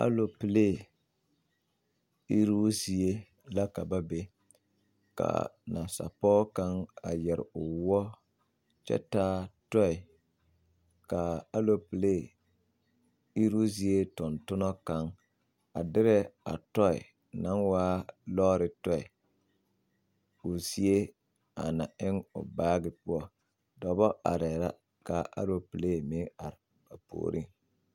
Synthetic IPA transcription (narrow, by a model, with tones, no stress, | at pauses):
a̰˦lo˨pi˨le˦˨ | i˦ɾu˦zi˨e˦ | la˦ka˨ba˦be˦ | ka̰˨na̰˨sa̰˨pɔː˦ka˦ŋa˨jɛ˨ɾɪ̰˨ʊ˨wɔ˦ | t͡ʃɛ̰˦taː˦tɔ˦ɪ˨ | ka˨a˦lo˨pɨ˨le˦˨ | i˦ɾu˦zi˨e˦tʊ˨ntʊ˦nɔ˦ka˦ŋ | a˨dɪ˦ɾɛ˦a̰˨tɔ˦ɪ̰˨ | na˨˦ŋwaː˦lɔː˦ɾɪ˨tɔ˦i˨ | ʊ˨si˦e˦ | a̰˨na˨ɪ˦ŋʊ̰˨baː˦ɡɪ˨pʊ˦ɔ˦ | dɔ˨bɔ˦a̰˨ɾɛ˨ɾa̰˦ | ka˨ʔa̰˦lo˦pi˨le˦˨me˨˦a˨ɾɪ˨ | ba˨po̰ː˨ɾḭ˦ŋ